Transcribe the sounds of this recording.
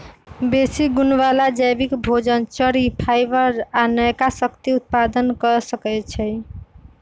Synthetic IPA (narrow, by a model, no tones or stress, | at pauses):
besiɡunwalad͡ʒajbikbʱod͡ʒənt͡ʃəɾipʰajbəɾanəjkasəkt̪iut̪̚pad̪ənkəsəkɛt͡ʃʰɛj